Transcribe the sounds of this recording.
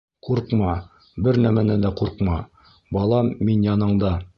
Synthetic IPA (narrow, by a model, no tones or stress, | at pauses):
quɾqmɑ | bɘɾnæmænæd̪æquɾqmɑ | bɑlˠɑmːinjɑnɤ̆ɴd̪ɑ